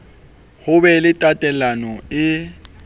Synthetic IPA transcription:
hʊbɛlɪtʼatʼɛlanɔɪ

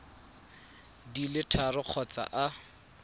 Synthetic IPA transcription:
dilɪtʰarʊq͡χʰɔt͡sa̰ʔa

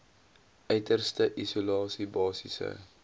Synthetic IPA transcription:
œɥtərstəʔisulɑːsibɑːsisə̰

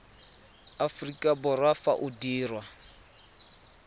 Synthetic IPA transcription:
afrikʼabʊrwafa̰ʔʊdiːrwa

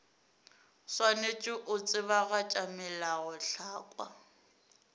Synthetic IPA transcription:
swanet͡ʃʼɪʔʊt͡sʼɪβaɣat͡ʃʼamɛlaɣʊɬaːkʼwa̰

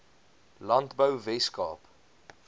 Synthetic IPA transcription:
lɐntbəwvɛskɑ̰ːp

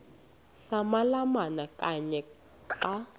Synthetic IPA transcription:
samalamanakʼaɲɛ | ǁa

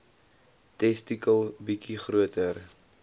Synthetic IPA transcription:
tɛstikəlˠbikiχruətər

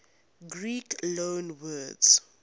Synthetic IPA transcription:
ɡɹiklõnwɜdz̥

